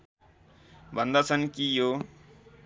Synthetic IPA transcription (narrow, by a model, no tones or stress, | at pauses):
bʱʌnd̪at͡sʰʌnkijo